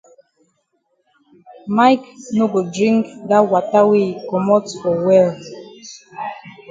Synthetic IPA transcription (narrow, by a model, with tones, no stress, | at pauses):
ma˦jkno˦ɡo˨dɹĩ˦ŋkɡa˦wa˨ta˦we˦kɔ˨mɔ˦tsfɔ˨wɛ˦l